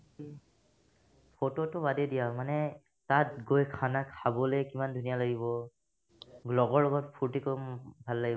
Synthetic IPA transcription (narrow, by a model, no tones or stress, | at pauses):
pʰototʊbadedijamanɛ | tatɡojkʰanakʰabɔlɛkimandʱunijalaɡibɔ | ɡlɔɡɔɹɔɡɔtpʰuɹtikobʱalːaɡi